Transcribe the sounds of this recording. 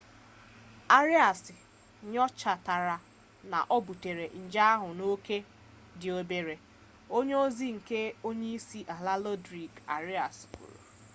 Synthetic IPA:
a˦ɾɪ˦a˨sɪ˨ | ɲɔ˦t͡ʃa˨ta˨ɾa˨ | na̰˨ʔɔ˦bu˨te˨ɾe˨n̩˨d͡ʒa˦a˦ɦʊ˨no˦ke˦ | dɪ˨o˨˦be˨ɾe˨ | o˦ɲe˦o˦zi˦ŋ̩˨ke˦o˦ɲe˦i˦si˦ʔa˨la˦lɔ˦dɾi˨ka̰˨ɾɪ˦a˨skṵ˨ɾo̰˨

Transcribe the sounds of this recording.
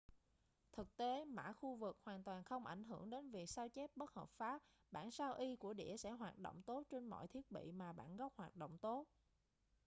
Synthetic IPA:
t̪ʰɨ˨˩k̚t̪e˨˦ma̰ː˧˥xu˧vɨ˨˩k̚hwaː˨˩nt̪waː˨˩nxə˧wŋ͡mʔa˧˩jŋ̟ɦɨ˧˩əŋɗe˨˦nvi˨˩ək̚saː˧wt͡ɕɛ˦˥p̚ɓə˦˥t̚həː˨˩p̚faː˦˥p̚ | ɓa̰ː˧˩˨nsaː˧wʔi˧ku˧˩əɗḭ˧˩əsɛ̰˧˥ɦwaː˨˩t̚ɗo̰˧˨wŋ͡mt̪o˦˥t̚t͡ɕe˧nmɔ̰˧˨jt̪ʰi˦˥ət̚ɓḭ˧˨maː˨˩ɓa̰ː˧˨nɣɔ˦˥p̚hwaː˨˩t̚ɗo̰˧˨wŋ͡mt̪o˦˥t̚

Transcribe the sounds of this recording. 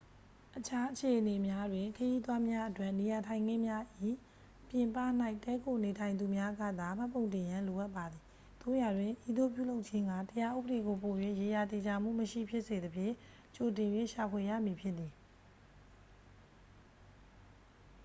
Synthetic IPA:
ʔət͡ɕʰa˦ʔət͡ɕʰe˨ʔəne˨mja˦dwɪ̃˨ŋkʰəji˦t̪wa˦mja˦ʔətwɛ˦˨ni˨ja˨tʰã˨ɪ̃ŋɡɪ̃˦˨mja˦ʔi˦˨ | pjɪ̃˨mpa̰˦˨n̥a˦ɪʔtːɛ˦ko˨ne˨tʰã˨ɪ̃nd̪u˨mja˦ɡä̰˦˨d̪a˨m̥a˦pːõ˨ʊ̃ntɪ̃˨jã˦lo˨ʔa˦ʔpːa˨d̪ði˨ | t̪o̰˦˨ja˨dwɪ̃˨ʔi˦d̪o˦p̬jṵ˦˨lo˦ʊʔ̚t͡ɕʰɪ̃˦ŋɡä̰˦˨təja˦ʔṵ˦bə˨de˨ɡo˨po˨jwḛ˦˨je˨ja˨t̪e˨d͡ʑa˨m̥ṵ˦˨məʃḭ˦˨pʰjɪ˦ʔse˨d̪əpʰjɪ̰̃˦˨ | t͡ɕo˨t̬ɪ̃˨jwɪ̰̃˦˨ʃa˨pʰwe˨jä̰˦˨mji˨pʰjɪ˦t̪ːi˨

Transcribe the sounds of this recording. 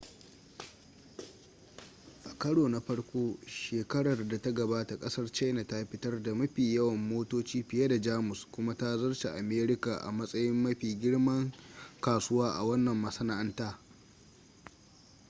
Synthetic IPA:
ʔa˨kɐ˦ɽoː˨na˨ɸɐ˦ɽkʷoː˦ʃeː˨kɐ˦ɽɐ˨rda˨ta˦ɡɐ˨baː˦ta˨kʼɐ˦sɐ˦rt͡ʃa˦jna˨ta˦ɸɪ˦tɐ˦rda˨mɐ˦ɸiː˨jɐ˦wɐ˨mːoː˦toː˦t͡ʃiː˦ɸɪ˨ja˦da˨d͡ʒaː˦mʊ˨skʷʊ˦ma˦ta˦zɐ˦rʃa˨ʔa˨meː˦ɾɪ˦ka˨ʔa̰˨mɐ˦sʼɐ˦jɪ˦mːɐ˦ɸiː˨ɡʲɪ˦ɽmɐ˦ŋkaː˨sʊ˦waː˦ʔa̰˨wɐ˦nːɐ˨mːɐ˨sɐ˦na˨ʔɐ˦ntaː˦

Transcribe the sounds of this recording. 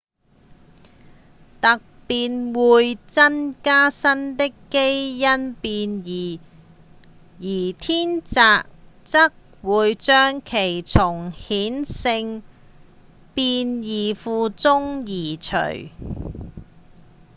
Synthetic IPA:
t̪ɐ˨k̚piː˧nwuː˨˧jt͡sɐ˥nkaː˥sɐ˥nt̪ɪ˥kːe˥jːɐ˥npiː˧njiː˨˩ | jiː˨˩t̪ʰiː˥nt͡saː˨˧k̚ | t͡sɐ˥k̚ | wuː˨˧jt͡ʃœː˥ŋkʰe˨˩jt͡sʰʊ˨˩ŋhiː˨˥nsɪ˧ŋ | piː˧njiː˨˩fuː˧t͡sʊ˥ŋjiː˨˩t͡ʃʰɵ̰˨˩ɥ

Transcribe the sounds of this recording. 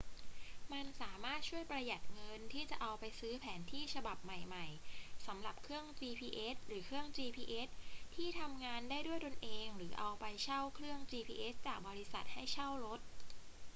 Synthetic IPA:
ma˧nsaː˩˦maː˥˩t̪̚t͡ɕʰu˥˩əjpɾa˧ja˨˩t̪̚ŋɤ˧nt̪ʰiː˥˩t͡ɕa˨˩ʔa˧wpa˧jsɯː˦˥pʰɛː˩˦nt̪ʰiː˥˩t͡ɕʰa˧ba˨˩p̚ma˨˩jma˨˩jsa˩˦mɾa˨˩p̚kʰɾɯ˥˩əŋt͡ɕiː˧pʰiː˧ʔe˦˥t̪̚ɾɯː˩˦kʰɾɯ˥˩əŋt͡ɕiː˧pʰiː˧ʔe˦˥t̪̚ʰːiː˥˩t̪ʰa˧mŋaː˧ndaː˥˩jdu˥˩əjto˧nʔeː˧ŋɾɯː˩˦ʔa˧wpa˧jt͡ɕʰa˥˩wkʰɾɯ˥˩əŋt͡ɕiː˧pʰiː˧ʔe˦˥s̚t͡ɕaː˨˩k̚bɔː˧ɾi˦˥sa̰˨˩t̪̚ha˥˩jt͡ɕʰa˥˩wɾo˦˥t̪̚

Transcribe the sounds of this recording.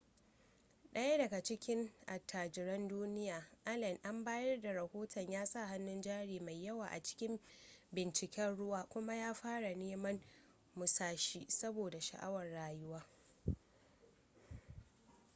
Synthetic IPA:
ɗɐ˦ja˦dɐ˨ɡa˨t͡ʃɪ˦kʲɪ˦ŋʔa˨tʰːaː˨d͡ʒɪ˨ɾɐ˦nduː˦nɪ˦jaː˨ʔa˦lɐ˨nʔa˦mbaː˦jɐ˦rda˨ɾɐ˨hoː˦tɔ˨ɲjaː˦sʼa˦˨ɦa˦nːʊ˦nd͡ʒaː˦ɽiː˨ma˨jːɐ˦waː˨ʔa̰˨t͡ʃɪ̥˦kʲɪ˦mbɪ˨nt͡ʃɪ˨kʲɛ˦nɽʊ˦waː˦kʷʊ˦ma˦jaː˦ɸaː˦ɽa˨neː˦mɐ˦n | mʊ˨saː˦ʃiː˦sɐ˦boː˨da˨ʃa̰˨ʔa̰˦wɐ˨rɽaː˨jʊ˦waː˦

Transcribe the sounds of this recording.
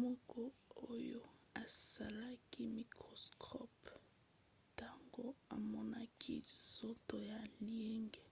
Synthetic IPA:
mɔ˦kɔ˦o˦jo˦ | a˨sa˨la˦ki˦mi˨kɔ˨skʰɔ˦p | ta˦ŋɡo˦a˨mɔ˦na˦kʰḭ˦so˦to˨ja˨li˦ɛ˦ŋɡɛ˨

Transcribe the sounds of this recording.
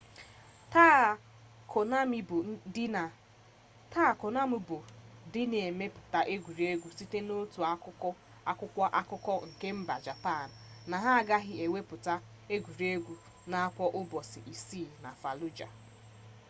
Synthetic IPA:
t | kn˦˨˦ | ta˦˨ko˨na˦mu˦bʊ˨dɪ˦ne˨me˦pʊ̥˨ta˦ʔe˦ɡʷu˨ɾe˦ɡʷu˦si˦te˦no˦tu˨a˦ | a˦kʷʊ˦kʷa˦ʔa˦kʊ˦kɔ˦ŋ̩˨ke˦m̩˦ba˨d͡ʒa˨pa˦˨n̩˨na˨ɦa˦a˨ɡa˦ɦɪ˦e˨wʷe˦pʊ˨ta˦ | e˦ɡʷu˨ɾi˦e˦ɡʷu˦ | na˦a˦kʷɔ˦ʔʊ˦bɔ˨sɪ̰˨ʔi˨siː˦˨na̰˨fa˨lu˦d͡ʒa̰˨

